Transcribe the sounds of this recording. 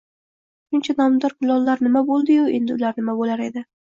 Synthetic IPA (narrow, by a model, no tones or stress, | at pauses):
ʃʊnt͡ʃʰanɒmd̪ɒɾkʰʊlˠɒlˠːaɾnɪmabolˠd̪ɪjʊe̞̰nd̪ɪʊlaɾnɪmabolaɾe̞d̪ɪ